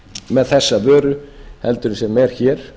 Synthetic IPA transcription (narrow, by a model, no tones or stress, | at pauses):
mɛðθɛsːavœːɾʏhɛlt̪ʏɾɪnsɛmɛɾ̥çɛːɾ̥